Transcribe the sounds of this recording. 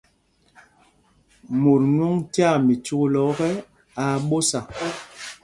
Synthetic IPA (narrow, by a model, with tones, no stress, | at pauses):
mu˨ɾnu˦ŋtja˦˨mi˨t͡ʃu˦lɔ˨˦kɛ˦ | a˨ɓo˦sa˨˦